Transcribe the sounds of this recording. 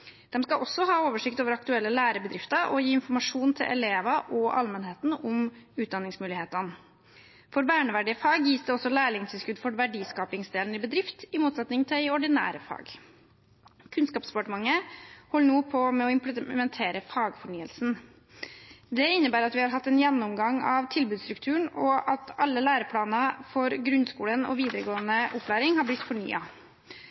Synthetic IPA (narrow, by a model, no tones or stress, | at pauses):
d̪̥ɛmskɑʔɔsːɔɦɑːoːʋəʂɪkt̪oːʋəɾɑkt̪ʉɛlːəlæːɾəbəd̪ɾɪft̪əʔɔjiːɪnfɔɾmɑʂuːnt̪ʰɪlʔɛ̰leːʋɑʔɔʔɑ̰lmənheːt̪n̩ɔmʉːt̪̚d̪ɑnːɪŋsmʉːlɪheːt̪ən | fɔɾʋæːɳəʋæɖɪəfɑːɡjiːsd̪ɛɔsːɔlæːɭɪŋt̪ʰɪlskʉd̪fɔɾʋæɖiːskɑːpɪŋsd̪eːln̩ɪbəd̪ɾɪft̪ɪmuːt̪sɛt̪nɪŋt̪ʰɪɪɔɖɪnæ̰ːɾəfɑ̰ːɡ | kʰʉnskɑːpsɑ̥pʰɑʈəmɑŋːəhɔlːəɳuːpʰɔmɛɔɪmplmɛnt̪ʰeːɾəfɑːɡfɔɳyːəlsn̩ | d̪ɛɪnːəbæːɾɑt̪ʋɪhɑɾɦɑt̪ːɛnjɛnːɔmɡɑŋɑʋt̪ʰɪlbʉːd̪st̪ɾʉkt̪ʰʉːəɳɔʔɑt̪ʰɑlːəlæːɾəpʰɽɑːnɑfɔɾɡɾʉnskuːlənɔ̰ʋiːd̪əɾəɡoːənəʔʊpːlæːɾɪŋhɑɾblɪt̪ːfɔɳy̰ːɑ